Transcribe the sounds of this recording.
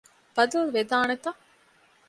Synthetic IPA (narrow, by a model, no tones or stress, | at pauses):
b̥ɐd̪ɐlʋed̪aːnet̪ɐ